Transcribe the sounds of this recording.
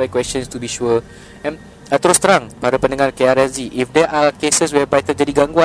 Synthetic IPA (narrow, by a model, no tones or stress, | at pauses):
ajkwɛstə̃nst̪ubiʃuə | ɛ̃n | at̪əɾʊst̪əɾãŋpaɾapə̃ndəŋarkeaɾɛziʔifdɛʔakesəswɛpat̪əd͡ʒadiɡãŋɡuã